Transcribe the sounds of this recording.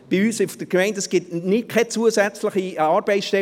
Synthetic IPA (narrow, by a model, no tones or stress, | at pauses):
b̥iyːsɪfd̥əɡmɛɪndɛsɡ̥ɪtnɪt̚kʰɛt͡suəsɛt͡slɪχiɑːɾb̥ɛɪsʃtɛ